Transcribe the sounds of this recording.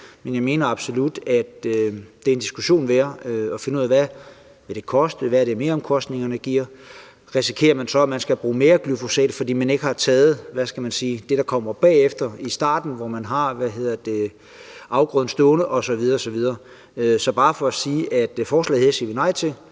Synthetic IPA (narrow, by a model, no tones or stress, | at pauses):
menjɑ̈ɪme̝ːnɐɑ̈b̥so̝lud̥æd̥d̥e̝ɐe̝nd̥isɡ̥uɕo̝̰ːnʋæːɐøɒ̽fe̝nəuð̰ˠæʋæ | ʋeld̥e̝kʰɒ̽sd̥eʋæɾ̥eme̝ːɐɒmkʰɒ̽sd̥ne̝ŋɐnəɡ̥iɐ̰ | ʁisi̥kʰe̝̰ːɐmænsɒ̽æmænsɡ̥æb̥ʁṵːme̝ːɐɡ̥lyfo̝sɛ̰ːd̥fɒd̥ḭːmæne̝ɡ̥əhɑ̈t͡sʰɛːð̩ˠʋæsɡ̥æmænsiːd̥e̝ɾ̥ɑ̈kʰɒ̽m̰ɐb̥ɛ̰ːefd̥ɐisd̥ɑ̰̈ːd̥n̩ʋɒmænɦɑ̈ʋæɦe̝ð̰ˠɐd̥e̝ | ʔɑ̈ʊɡ̥ʁœðˠn̩sd̥ɔːnəʔɒ̽sɒ̽ʋið̞ˠɐːsɒ̽ʋið̞ˠɐ | øsɒ̽b̥ɑ̈ːfɒ̽æsiːʔæd̥fɒːslɛ̰ðˠheɐ̰siɐʋinɑ̈ɪ̰t͡sʰe̝l